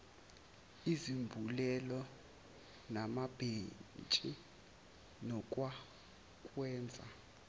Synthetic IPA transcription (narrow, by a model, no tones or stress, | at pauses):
izimbʱulɛlɔ | namab̥ʱent͡ʃʼi | nɔkʼwa | kʼwɛːnd͡zʱa̰